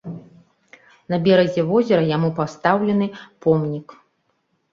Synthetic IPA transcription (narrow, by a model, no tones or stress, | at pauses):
nɐbʲɛɾɐzʲɛvɔzʲɛɾɐjamupast̪awlʲɛn̪ɨpɔmnʲik